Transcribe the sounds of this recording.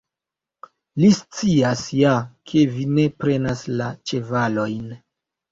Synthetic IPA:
list͡siasjakʰe̞vine̞pɾe̞naslat͡ʃe̞valo̞jn

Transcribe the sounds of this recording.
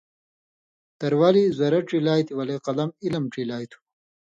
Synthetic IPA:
t̪ɐɾwaːlizɐɾɐʈ͡ʂilaːjt̪iwɐleqɐlɐmilɐmʈ͡ʂilaːjt̪ʰu̥

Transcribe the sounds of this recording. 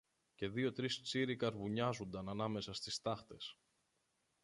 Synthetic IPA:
ce̞ðio̞t̪ɾist͡siɾikɐɾvuɲɐzund̪ɐnɐnɐme̞sɐst̪ist̪ɐxt̪e̞s

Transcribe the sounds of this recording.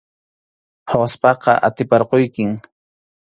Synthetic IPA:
hawaspɑqɑ̰ʔat̪ɪpɑɾqojkɪŋ

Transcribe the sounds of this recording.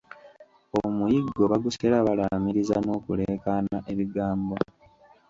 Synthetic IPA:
omujiɡːo̞βaɡuselaβalamiɾizano̞ːkule̞ːkanaʔe̞βiɡaːmbo

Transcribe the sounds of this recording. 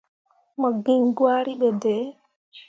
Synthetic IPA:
mɔɡiŋɡwaɾiɓɛdɛ

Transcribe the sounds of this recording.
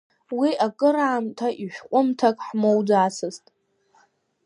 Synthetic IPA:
wiʔakʼɨɾaːmtʰaʔiʃʷᶣqʷʼʊmtʰakʼħmowd͡zaːsʰɨztʼ

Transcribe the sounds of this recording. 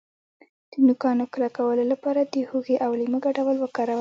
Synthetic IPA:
d̪̥ənʊkɑnoklakawəlolapɑɾad̪əhuɣeʔawliməɡaɖawəlwəkɑɾawə

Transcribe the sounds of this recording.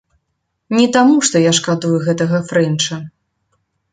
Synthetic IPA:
nʲɛt̪amuʂt̪ɔjaʂkad̪ujuɣɛt̪ɐɣɐfɾɛnt͡ʂɐ

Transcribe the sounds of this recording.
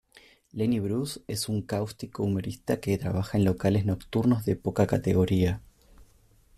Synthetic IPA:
leniβɾuse̞suŋkawst̪ikoumo̞ɾist̪ake̞t̪ɾa̰β̞axae̞nlo̞kale̞zno̞kt̪uɾno̞zðe̞po̞kakat̪e̞ɣ̞o̞ɾia

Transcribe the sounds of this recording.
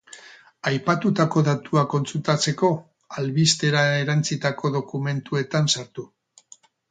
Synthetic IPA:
ajpat̪ut̪ako̞ðat̪uako̞nt͡sult̪at͡se̞ko̞ | alβist̪e̞ɾaeɾant͡sit̪ako̞ðo̞kume̞nt̪ue̞t̪ansaɾt̪u

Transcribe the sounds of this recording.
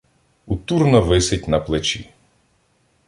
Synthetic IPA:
ut̪urnɔʋɪsɪtʲnɐplˠɪt͡ʃḭ

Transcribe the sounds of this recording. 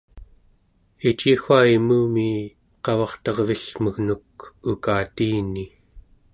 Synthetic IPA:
it͡ʃixaimuːmi | qɑvɑχt̪ʌʁviɬməɣnuk̚ukaːt̪iːni

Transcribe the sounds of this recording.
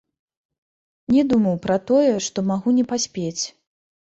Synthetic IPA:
nʲɛd̪umɐwpɾɐt̪ɔjɛʂt̪ɔmaɣunʲɛpasʲpʲet͡sʲ

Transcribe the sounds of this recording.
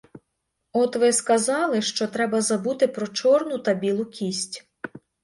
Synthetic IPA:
ɔt̪ʋɪskɐzɑlˠɪʃt͡ʃɔt̪ɾɛbɐzɐbut̪ɪpɾɔt͡ʃɔrnʊt̪ɐbʲilˠʊkʲisʲtʲ

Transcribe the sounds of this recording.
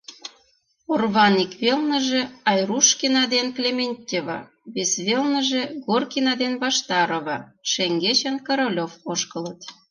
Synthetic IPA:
orβɑnikβelnə̆ʒĕɑjruʃkʲinɑd̪enklʲemʲenʲtʲeβɑ̰ | βesβelnə̆ʒĕɣorkinɑd̪enβɑʃt̪ɑɾoβɑʃeŋɡet͡ɕə̆nkəɾolʲofoʃkə̆lə̆t̪

